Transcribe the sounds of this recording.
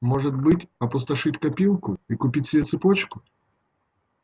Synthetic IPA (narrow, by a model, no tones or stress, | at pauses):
moʐɨt̪bɨtʲɐpʊst̪ɐʂɨɪtʲkɐpʲilˠkʊikʊpʲitʲsʲɪbʲet̪sɨpot͡ɕkʊ